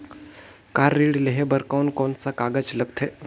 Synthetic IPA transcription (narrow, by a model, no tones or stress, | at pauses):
kaɾːiɽleɦebəɾkawunkɔɳt͡sakaɡət͡sləkt̪ʰe